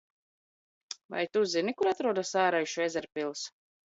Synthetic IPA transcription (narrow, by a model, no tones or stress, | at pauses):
va̰jt̪uzinikuɾat̪ɾuɔd̪asaːɾajʃuezɛɾpilˠs